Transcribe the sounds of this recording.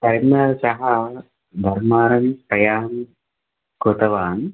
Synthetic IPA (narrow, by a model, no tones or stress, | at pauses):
tɐɾinɐʃɐɦɐ | d̪ʱɐɾmaːɾɐnpɾɐjaːn | kot̪ɐʋaːn